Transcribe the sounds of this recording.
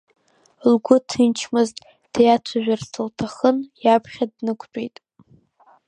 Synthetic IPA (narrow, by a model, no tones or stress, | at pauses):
lɡʷʊtʰint͡ʃʰmɨztʼ | d̥ejat͡ʃʷʰaʒᶣʷarsɨltʰaχənjapʰχʲadnɨkʷʰt͡pʷʼejtʼ